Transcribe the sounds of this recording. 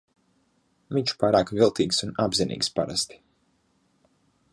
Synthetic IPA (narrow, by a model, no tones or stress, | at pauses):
viɲt͡ʃu̥paːɾaːkvʲilˠt̪ʰiːɡsunabzinḭːkspaɾa̰st̪i̥